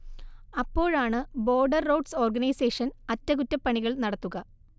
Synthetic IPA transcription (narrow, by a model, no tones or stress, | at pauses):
ɐpːo̞ːɻaːɳɨbo̞ːrɖɐrːowɖso̞ːrɡɐnɐjseːʂɐnɐtːɐkutːɐpːɐɳiɣɐɭnɐɽɐt̪ːuɣɐ